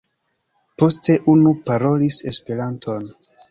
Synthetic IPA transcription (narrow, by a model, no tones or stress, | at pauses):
po̞ste̞ʔunupaɾo̞lise̞spe̞ɾantʰo̞n